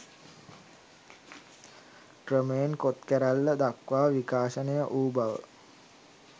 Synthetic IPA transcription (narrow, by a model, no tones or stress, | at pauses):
krəmeenkot̪kæɾælːəd̪akʋaːʋikaːʃənəjəʔuːbaʋə̰